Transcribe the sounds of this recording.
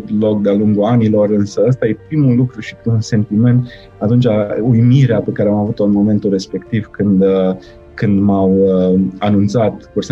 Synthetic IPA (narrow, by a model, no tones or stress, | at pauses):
t̪lo̞k̚d̪ealuŋɡuanilo̞rɨnsəəst̪aje̞pɾimulukɾuʃi̥pɾimulse̞nt̪ime̞nt̪ | at̪unt͡ʃaujmiɾeape̞kaɾeamavut̪oɨnmo̞me̞nt̪ure̞spe̞kt̪ivkɨnd̪ | kɨnd̪mawəanunt̪sat̪kuɾs